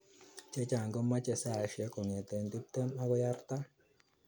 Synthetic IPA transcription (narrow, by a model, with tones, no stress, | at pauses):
t͡ʃe˦t͡ʃa˨ŋɡɔ˦ma˦t͡ʃe˨sa˦˨ʃɪ˨ɛ˦kɔ˨ŋe˨t̪ɛ˨ndu˦p̚t̪e˦ma˦ɡɔ˦ja˦rt̪a˦